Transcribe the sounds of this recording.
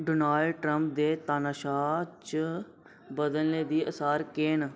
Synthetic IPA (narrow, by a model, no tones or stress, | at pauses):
ɖoːnaːlɖʈɾəmp̚d̪eːt̪aːnaːʃaːt͡ʃə | bəd̪əlneːd̪iːʔəsaːɾkeːn